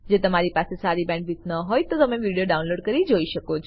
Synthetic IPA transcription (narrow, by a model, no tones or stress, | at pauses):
d͡ʒet̪əmaɾipasesaɾibɛ̃ɳɖbʱit̪nəɦojt̪ot̪əmeʋiɽijoɖaunloɖkəɾid͡ʒoiʃəkot͡ʃʰ